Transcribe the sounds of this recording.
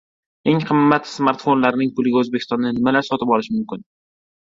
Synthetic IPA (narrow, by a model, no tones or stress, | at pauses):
e̞ŋqʰɨmːat̪smaɾt̪fo̞nlaɾɪnɪŋpʊlɪɡʲaɵzbekʲʰɪst̪ɒnːɪnɪmalaɾsɒt̪ɪpɒlɪʃmʊmkʲɪn